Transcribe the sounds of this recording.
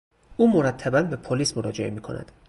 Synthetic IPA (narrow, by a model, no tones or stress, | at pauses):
ʔuːmoɾæt̪ʰːæbænbepʰoliːsmoɾɒːd͡ʒḛḛmiːkʰonæ̰d̪̥